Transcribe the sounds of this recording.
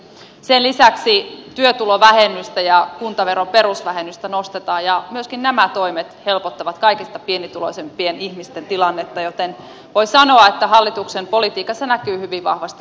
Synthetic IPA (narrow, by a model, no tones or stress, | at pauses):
senlisæksit̪yøt̪uloʋæhenːˑyst̪æjɑkunt̪ɑʋe̞ɾompe̞rusʋæhenːyst̪ænost̪et̪ɑːjjɑmyøskinnæmæt̪o̞imet̪he̞lpot̪ːɑʋɑt̪kɑikist̪ɑpienit̪uloisempienihmist̪ent̪ilɑnːet̪ːɑjot̪en | ʋoisɑnoɑet̪ːæɦɑlːit̪uksempolit̪iːkːˑɑsenækyːhyʋiʋɑ̰hʋɑst̪i